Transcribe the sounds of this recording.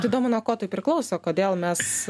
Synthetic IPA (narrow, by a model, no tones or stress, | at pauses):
t̪ʲid̪oːmʊnuɔkoːt̪ɐɪpʲɾʲɪklˠɐʊsʲoːkoːd̪ʲeːlˠmʲɛs